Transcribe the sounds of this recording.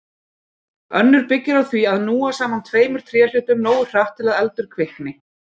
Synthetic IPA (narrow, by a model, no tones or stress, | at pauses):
œ̰nːʏɾpɪcːɪɾawθviaðnuːasaːmant̪ʰveːjmʏɾ̥t̪ʰɾɛːal̥ʏːht̪ʏmnoːwʏr̥awht̪ʰːɪlaðɛlt̪ʏɾ̥kʰvɪhknɪ